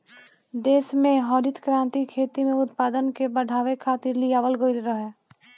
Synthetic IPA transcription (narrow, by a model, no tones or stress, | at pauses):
d̪eːsmẽɦɔːɾɪt̪kɾãːnt̪ikʰeːt̪imẽʊt̪paːd̪ənkebəɖʱaːʋekʰaːt̪ɪɾlɪjaːʋəlɡoilɾəɦɛː